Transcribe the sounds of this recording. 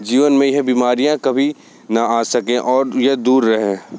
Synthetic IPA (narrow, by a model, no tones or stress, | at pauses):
d͡ʒiːʋənmẽjeɦbiːmaːɾijãkɐbʱi | nɐaːsɐkẽʔɔːɾjɐd̪uːɾːɐɦẽː